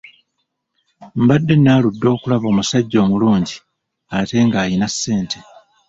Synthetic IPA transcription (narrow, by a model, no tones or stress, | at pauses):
mbadːe̞naːludːo̞ːkulaβo̞ːmusaɟːo̞ːmuluːɲɟi | ate̞ŋɡaːjinasːe̞ːntʰe̞